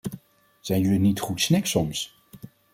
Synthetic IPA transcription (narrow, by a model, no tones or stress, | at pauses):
z̥ɛjnylinitχutsnɪksɔms